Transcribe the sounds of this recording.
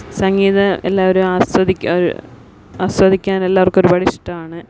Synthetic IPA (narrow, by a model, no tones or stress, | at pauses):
sɐŋɡiːðɐḛlːaːʋoɾumaːswɐd̪ʱikʲːoɾṵ | aːswɐd̪ʱikʲːaːnelːaːʋɐrkːo̞ɾubɐɽiʂʈːɐaːɳɨ